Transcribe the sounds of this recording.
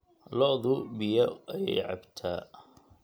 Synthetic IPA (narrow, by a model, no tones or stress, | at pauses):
lɔʔðʊbɪjɐʔɐjɛjʕɑbt̪ʰaː